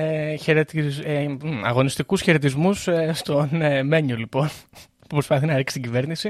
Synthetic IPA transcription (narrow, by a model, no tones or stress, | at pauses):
eçeɾet̪izɐɣo̞nist̪ikusçeɾet̪̬izmusest̪o̞nmeɲulipo̞n | pupɾo̞spɐθinɐɾiksi̥t̪ɟive̞ɾnisi